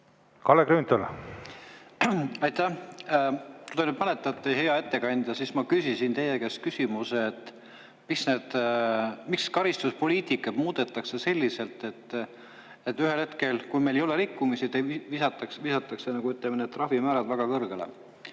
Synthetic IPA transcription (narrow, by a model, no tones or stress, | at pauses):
kɑlekɾyːnt̪ol | ɑjt̪ːæh | t̪ud̪ɑnypɑnet̪ːˑɑt̪ːˑeɦe̞ɑe̞t̪ːe̞kɑnʲd̪̥ʲjɑsismɑkysisint̪e̞jekest̪̚kysimuseːt̪ˑː | miksneːd̪̥ | mikskɑɾist̪uspo̞liːt̪ikːˑɑt̪muːd̪̥e̞t̪ːˑɑkse̞se̞lʲːise̞lt̪ːe̞t̪ːˑ | et̪ːyɦe̞lhe̞t̪ke̞lkujmejlejo̞le̞ɾikːumisit̪evisɑt̪ːˑɑksvisɑt̪ːˑɑksenɑɡuyt̪ːˑlemned̪̚t̪rɑvimæːɾɑd̪væɡ̥ɑkɤrɡ̥elḛ